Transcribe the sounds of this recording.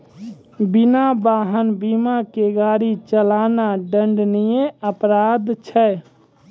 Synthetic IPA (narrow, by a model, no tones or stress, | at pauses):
binabaɦənbimakeɡaɾit͡ʃəlanaɖəɳɖnijẽəpɾad̪t͡ʃʰə